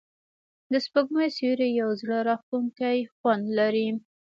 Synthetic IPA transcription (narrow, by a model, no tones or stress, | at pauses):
d̪əspəɡmajsiɾejawzɽaɾɑxt̪uŋkajxwand̪laɾi